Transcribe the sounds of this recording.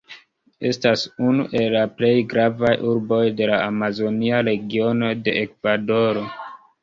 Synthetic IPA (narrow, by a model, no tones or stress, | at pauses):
e̞stasunuʔe̞lːaple̞jɡɾavajʔuɾbo̞jde̞laːmazo̞niaɾe̞ɡio̞no̞de̞ekvado̞ɾo̞